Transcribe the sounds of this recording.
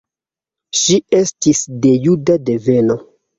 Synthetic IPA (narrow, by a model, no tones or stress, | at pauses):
ʃie̞stisde̞judadeve̞no̞